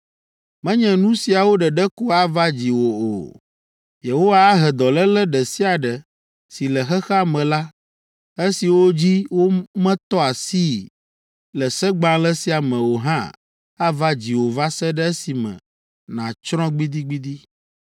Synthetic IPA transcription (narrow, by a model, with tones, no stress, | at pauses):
mɛ̃˦ɲɛ̃˨nũ˦si˨a˨wo˦ɖɛ˨ɖɛ˦ku˦a˦va˦d͡ʑi˨wo˨o̰˨ | je˨ɦo˦wa˦a˦ɦɛ˨d̪ɔ˨lɛ˦lɛ˦ɖɛ˨si˦a˨ɖɛ˨ | si˨lɛ˨xɛ˦xa˦mɛ̃˨la˦ | e˦si˨wo˦d͡ʑi˦wo˦mɛ̃˦t̪ɔ˦a˨si˦ | lɛ˨sɛ˦ɡ͡bã˦lɛ˦si˦a˨mɛ̃˨wo˨ɦã̰˦ | a˦va˦d͡ʑi˨wo˨va˦sɛ˦ɖɛ˦ɛ˦si˨mɛ̰̃˨ | nã˨t͡ʃɾɔ̃˦ɡ͡bi˦d̪i˦ɡ͡bi˦d̪i˦